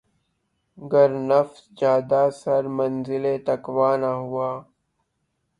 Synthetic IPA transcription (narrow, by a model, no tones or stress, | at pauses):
ɡəɾnɐfsd͡ʒjaːd̪aːsɐɾmɐnzɪlet̪ɐkwaːnaɦuaː